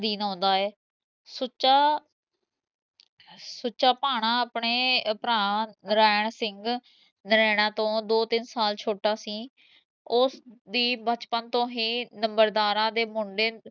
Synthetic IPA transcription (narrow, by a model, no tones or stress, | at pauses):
d̪iːnɔ̃ːnd̪aːɛː | sʊt͡ʃaː | sʊt͡ʃaːpaːɳ̃ãːəpɳeːpɾãːãnəɾaːɳsɪŋɡ | nəɾɛːɽ̃ãːt̪õːd̪oːt̪ɪnsaːlt͡ʃʰoːʈaːsĩː | ʊsd̪iːbət͡ʃpənt̪õːɦiːnəmbəɾd̪aːɾãːd̪eːmʊɳɖeː